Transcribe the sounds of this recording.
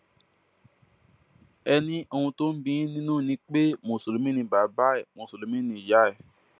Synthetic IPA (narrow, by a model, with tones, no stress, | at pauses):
ɛ˧nĩ˦o˧hũ˧to˦n̩˦bĩ˧˦ĩ˦nĩ˦nũ˦˨nĩ˧˦k͡pe˦mõ˧˨so˨lo˨˦mĩ˦nĩ˧˦˨ba˨˦ba˦ɛ˦˨mõ˨˧˨so˨lo˨˦mĩ˦nĩ˧˦˨ja˨˦ɛ˦˨